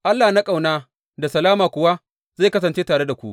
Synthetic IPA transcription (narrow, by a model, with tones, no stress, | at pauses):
ʔa˦lːaː˨na˦kʼa˨wnaː˦ | da˨sɐ˨laː˦maː˨kʷʊ˨wa˦ | za˦˨˦kɐ˦s̬ɐ˨nt͡ʃeː˦taː˨ɽe˦da˨kʷu˦ʔ